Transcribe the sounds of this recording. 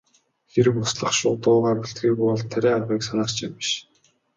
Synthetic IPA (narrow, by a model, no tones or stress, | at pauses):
xeɾɘ̆kʊsɮə̆χʃʊːt̪ʊːʁaːpuɬt̪ɡiːkpɔɮt̪ʰːæɾʲæːaʁiːksanaːrt͡ɕimpiʃ